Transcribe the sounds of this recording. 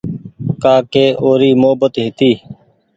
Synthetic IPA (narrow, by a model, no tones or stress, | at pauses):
kaːkeːʔoːɾiːmoɦəbət̪ɦɪt̪iː